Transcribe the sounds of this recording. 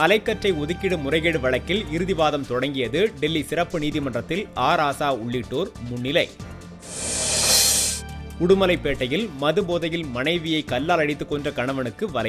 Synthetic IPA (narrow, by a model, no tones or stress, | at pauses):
ɐlɐɪkːɐʈrɐɪɔðɯkːɪɽɯmʊrɐɪɣeɽɯʋɐɭɐkːɪlɪɾɯðɪʋaːðɐmt̪ɔɽɐŋɡɪjɐðɯɖɛlːisɪrɐpːɯniːðɪmɐndrɐt̪ːɪlaːɾaːsaːʊɭːɪʈːoːɾmʊɳːɪlɐɪ | kʊɽʊmɐlɐɪpːeːʈːɐjɪlmɐðɯboːðɐjɪlmɐnɐɪʋɪjɐɪkɐlːaːlɐɽɪt̪ːɯkːɔndrɐkɐɳɐʋɐɳɯkːɯʋɐlɐɪ